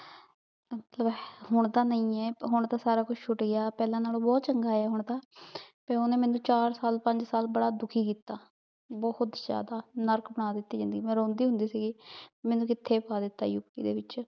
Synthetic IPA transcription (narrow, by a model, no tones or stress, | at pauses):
mət̪ləbɦʊɳd̪aːnəĩːɛːɦʊɳt̪aːsaːɾaːkʊt͡ʃʰt͡ʃʰʊʈɡɪaːpɛːlãːnaːlõːbɔːt̪t͡ʃəŋɡaːɛːɦʊɳd̪aːpeːoːneːmɛ̃ːnũːt͡ʃaːɾsaːlpəɲd͡ʒsaːlbəɽaːd̪ʊkʰiːkiːt̪ːaː | bɔhʊt̪zja̰ːd̪aːnəɾkbəɳ̃aːd̪ɪt̪ːiːd͡ʒɪ̃nd̪əɡiːmɛ̃ːɾõːnd̪iːɦʊ̃nd̪iːsiːɡɪːmɛ̃ːnũːkɪt̪ʰːeːpaːd̪ɪt̪ːa̰ːjʊkḭːd̪ḛːʋɪt͡ʃ